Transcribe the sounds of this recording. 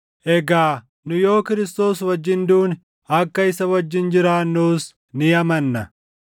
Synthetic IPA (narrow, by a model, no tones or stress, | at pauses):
ʔɛɡaː | nʊjo̞ːkɪɾɪst̪o̞ːswɐd͡ʒːɪnd̪uːn | ɐkːɐɪsɐwɐd͡ʒːɪnd͡ʒɪɾaːnːuːs | nɪɐmɐnːɐ